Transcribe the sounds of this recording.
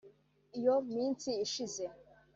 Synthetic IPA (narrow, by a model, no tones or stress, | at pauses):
ijomiːnsiːʃize